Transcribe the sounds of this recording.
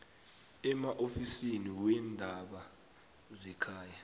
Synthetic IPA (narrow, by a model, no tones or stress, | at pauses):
ɛmaʔofisiniwɛndʱaɓa | zɛkʰaːja